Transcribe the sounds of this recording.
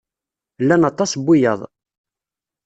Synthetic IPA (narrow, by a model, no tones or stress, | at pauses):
lːænɑt̪ːˤɑsbːijəðˤ